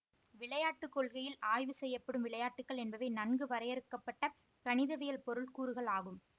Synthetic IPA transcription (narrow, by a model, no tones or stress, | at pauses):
ʋɪɭɐjaːʈːɯkːɔɭɣɐjɪlaːjʋɯsɛjːɐpːɐɽɯmʋɪɭɐjaːʈːɯkːɐɭɛnbɐʋɐɪnɐnɡɯʋɐɾɐjɛɾɯkːɐpːɐʈːɐ | kɐnɪðɐʋɪjɐlpɔɾɯɭkuːɾɯɣɐɭaːɣɯm